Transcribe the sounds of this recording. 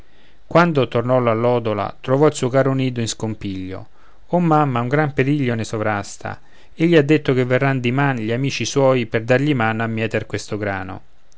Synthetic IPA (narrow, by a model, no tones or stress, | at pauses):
kwand̪ot̪ornɔlalːɔːd̪ola̰t̪ɾovɔilsuːokaɾoniːd̪oinskompiʎːo̰ | omːamːauŋɡɾampeɾiʎːonesovɾast̪a̰ | eʎːiad̪ːet̪ːokevːerːand̪imanʎiamiːt͡ʃiswɔːjperd̪arʎimanamːjɛːt̪erkwest̪oɡɾa̰ːno̰